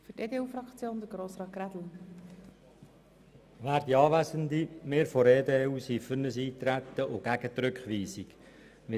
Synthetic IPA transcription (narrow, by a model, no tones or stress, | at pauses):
fʏteːd̪euːfɾɑkt͡sjoːnd̪əɾɡɾoːsɾɑːtkɾæd̥l̩ | ʋæːɾd̥̪iɑːʋæzənd̪imeːɾfɔɾeːdeːuːsiːfʏɾnəsiːt̪ɾæt̪ːəʔʊɡ̥æɡ̥ət̪ɾʏkχʋiːsik | ʋɪ